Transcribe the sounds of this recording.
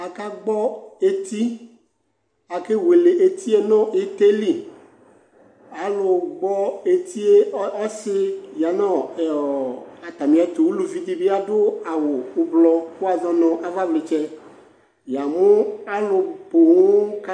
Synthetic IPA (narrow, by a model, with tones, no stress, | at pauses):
a˨ka˦ɡ͡bɔ˦e˦t̪i˦ | a˨ke˦we˨le˨ʔe˨t̪i˦e˦nɔ̃˦ʔɪ˦t̪e˦li˦ | a˨lʊ˨ɡ͡bɔ˦e˨t̪ʰi˦e˦ɔ˦sɪ˦ja˨nɔ˦˨ | a˨t̪a˨mi˨a˨t̪ʊ˨wu˦lu˨vi˦d̪i˦bi˦a˦dʊ˦a˨wʊ˨ʊ˦blɔ˦ɸʊ˦a˨zɔ˦nɔ̃˨ʔa˨va˦blɪ˨t͡ʃɛ˦ | ja˨mʊ˦a˦lʊ˨bʊ˨ŋʊ˦ka˦